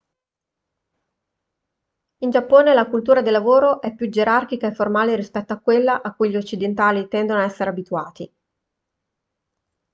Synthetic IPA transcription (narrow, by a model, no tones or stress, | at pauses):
ind͡ʒapːoːnelakult̪uːɾad̪elːavoːɾoʔɛpːjud͡ʒeɾark̟ikaefːormaːleɾispɛt̪ːoakːwelːaʔakːujʎiot͡ʃːid̪ent̪aːlit̪ɛnd̪onoaɛsːeɾeabit̪uaːt̪i